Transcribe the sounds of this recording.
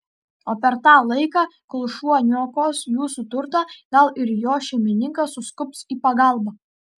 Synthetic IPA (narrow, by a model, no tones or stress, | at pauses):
oːpʲɛɾt̪ɑːlˠɐɪkɑːklˠʊʃuɔnʲuɔkoːsjuːsut̪ʊɾt̪ɑːɡ̥ɐlˠɪɾjoːʃʲɛɪmʲɪnʲɪŋkɐsʊskʊpsiːpɐɡɑˑlˠbɑː